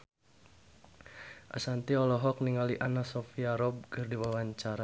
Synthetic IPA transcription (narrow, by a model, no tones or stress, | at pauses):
ʔa̰sant̪iɔlɔɦɔk̚niŋaliʔanasɔfiaɾɔb̚kərdiwawaɲt͡ʃaɾa